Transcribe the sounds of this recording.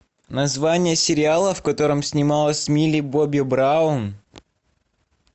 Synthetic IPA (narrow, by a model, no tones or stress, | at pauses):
nɐzvanʲɪjəsʲɪɾʲɪalˠəfkɐt̪o̞ɾəmsʲnʲɪmalˠəsʲmʲilʲɪbobʲɪbɾaʊn